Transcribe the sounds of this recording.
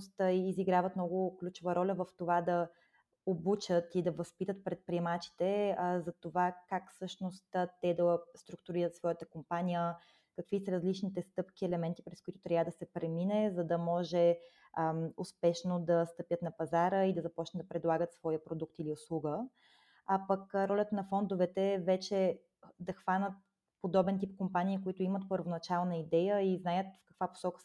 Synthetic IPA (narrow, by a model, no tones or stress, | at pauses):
st̪iziɡɾavət̪mnɔɡʊklʲut͡ʃɛvəɾɔlʲəvəft̪ovad̪ɐ | obut͡ʃət̪id̪ɐvɐspit̪ət̪̚pɾɛt̪̚pɾiɛmat͡ʃi̥t̪ɛzɐt̪ovakakfsɤʃnost̪ːt̪ɛd̪ɐst̪ɾʊk̚t̪ʊɾiɾət̪svɔjət̪əkompanʲijə | kəkvisəɾɐzlit͡ʃnit̪ɛst̪ɤpkʲiɛlɛmɛnt̪ipɾɛskʊit̪ʊ̥t̪ɾʲavəd̪ɐsɛpɾɛminɛzɐd̪ɐmɔʒɛ | ʊspɛʃnod̪ɐst̪əpjət̪nɐpɐzaɾəid̪ɐzɐpɔt͡ʃnət̪d̪ɐpɾɛd̪lˠaɡət̪svɔjəpɾod̪uk̚t̪iliʊslˠuɡə | apəkɾɔlʲət̪nɐfɔnd̪ʊvɛt̪ɛvɛt͡ʃɛ | d̪ɐxvanət̪̚ | pod̪ɔbɛnt̪ipkompanʲiːkoit̪ʊimət̪pəɾvonɐt͡ʃalˠnəid̪ɛjəiznajət̪fkɐkvapo̥sɔkə̥